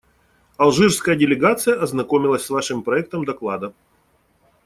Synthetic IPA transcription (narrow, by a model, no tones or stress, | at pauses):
ɐlˠʐɨrskəjədʲɪlʲɪɡat̪sɨjəʔɐznɐkomʲɪlˠəsʲsvaʂɨmpɾɐɛk̚t̪əmd̪ɐklˠad̪ə